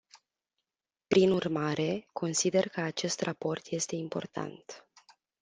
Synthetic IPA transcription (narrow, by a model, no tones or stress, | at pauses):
pɾinurmaɾʔe̞kʰo̞nsid̪e̞rkəat͡ʃe̞st̪rʔapo̞rt̪je̞st̪e̞impo̞̰rt̪ʰa̰nt̪